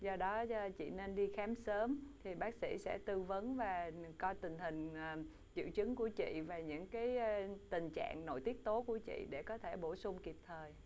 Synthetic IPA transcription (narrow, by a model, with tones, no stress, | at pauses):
zɔ˧ɗɔ˨˦˧t͡ɕḭ˧˨ne˧nɗi˧xaː˨˦msəː˨˦mt̪ʰi˨˩ɓaː˦˥k̚sḭ˧˥sɛ̰˧˥t̪ɨ˧və˨˦nvaː˨˩kɔ˧jt̪ï˨˩ŋ̟ɦï˨˩ŋ̟ː˨˩ | t͡ɕḭ˧˩əwt͡ɕɨ˨˦ŋku˧˩ət͡ɕḭ˧˨vaː˨˩ɲɨ̰˧˥ŋkaː˨˦jt̪ï˨˩ŋ̟t͡ɕa̰ː˧˨ŋno̰˧˨jt̪i˦˥ək̚t̪o˨˦ku˧˩ət͡ɕḭ˧˨ɗe˧˩kɔ˨˦t̪ʰe˧˩ɓo˧˩sʊ˧ŋ͡mki˨˩p̚t̪ʰəː˨˩j